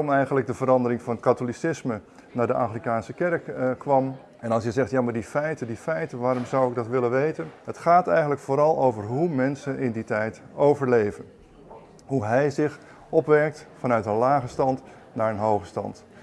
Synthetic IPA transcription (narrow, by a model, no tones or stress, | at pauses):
ɔmɛjχənləɡ̚dəvəɾɑndəɾɪŋvɑnkatolisɪsmə | naːɹdəʔaχrikaːnsəkɛrkːʋɑm | ɛnɑlˠsjəzɛχtjaːmaːɹdifɛjtədifɛjtəʋaːɾɔmzʌwɪɡ̚dɑtʋɪlənʋejtənɦətχaːtɛjχənləkfoːɾɑlˠowvəɹɦumɛnsənʔɪnditɛjtowvəɹlejvən | ɦuɦɛjzɪχ | ɔpʋɛɹk̚tfɑnœɥtənlaːχəstɑnt | naːɹənɦowχəstɑ̰nt